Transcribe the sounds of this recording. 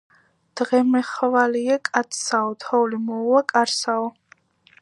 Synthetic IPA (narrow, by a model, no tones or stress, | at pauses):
d̪̥ʁɛmɛχvaliakʼat̪saɔt̪ʰɔulimɔwakʼaɾsaɔ